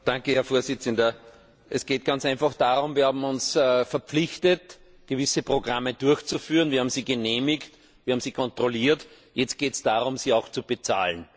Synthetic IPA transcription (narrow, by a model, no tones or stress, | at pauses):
d̥ãŋkəhɛɐfoːɐzɪt͡səndɐ | ʔɛsɡ̥eːt̚ɡ̥ant͡saɪnfaxd̥aːʁʊmviːɐhaːbm̩ʊnsfɛɐp͡flɪçtət | ɡ̥əvɪsəpʁ̥oɡʁamːəd̥ʊɐçt͡sufyːʁənviːɐaːbm̩z̥iːɡəneːmɪkt | v̥iːɐhaːmsiːkʰɔ̃ntʁoliːɐt | jɛt͡st̚ɡ̥eːtsd̥aːʁʊmziːaʊxt͡sub̥et͡sa̰ːln